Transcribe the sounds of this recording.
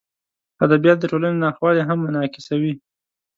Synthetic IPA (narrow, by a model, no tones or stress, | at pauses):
ad̪abijat̪̚d̪əʈolanenɑxwɑleɦamːʊnɑkɪ̥sawi